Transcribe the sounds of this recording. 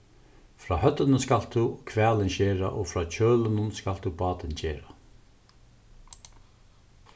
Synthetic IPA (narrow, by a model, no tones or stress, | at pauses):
fɾaːhœt̪ənəskalt̪ukʰʋɛːlɪnɕɛːɾa̰ʔoːfɾaːt͡ɕʰøːlənʊnskalt̪uːbɑːt̪ɪnt͡ɕɛːɾa